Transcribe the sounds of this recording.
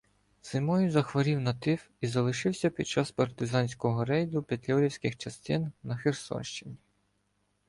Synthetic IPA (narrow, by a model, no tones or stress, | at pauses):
zɪmɔjzɐxʋɔɾʲiwnɐt̪ɪw | izɐlˠɪʃɪwsʲɐpʲid̪̚t͡ʃɑspɐrt̪ɪzɑnʲsʲkɔɦɔɾɛjd̪ʊpʲid̪ʲlʲɔɾʲiwsʲkɪxt͡ʃɐst̪ɪnːɐxersɔ̰nʃt͡ʃɪnʲi